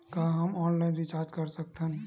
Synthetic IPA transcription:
kaɦəmɔːnlaɪnɾit͡ʃaːɾd͡ʒkəɾsək̚t̪ʰɦən

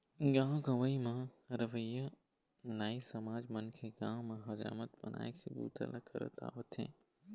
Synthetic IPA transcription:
ɡãːɡɐʋəimãɾɐʋəjə | naːisɐmaːd͡ʒmɐnkʰeɡãːmãɦɐd͡ʒa̰ːmət̪bɐna̰ːikʰebṵːt̪ʰə̰lʔɐkʰə̰ɾə̰t̪a̰ːʋət̪ʰḛ̃ː

